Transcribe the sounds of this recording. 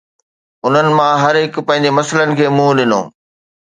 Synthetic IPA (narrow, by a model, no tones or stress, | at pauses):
ʊn̤ənɪ̆mãɦɐɾɦɪkpɐ̃ɦɪ̃ɲ̆d͡ʑemɐslənɪ̆kʰeːmũːɗɪnõ̰ː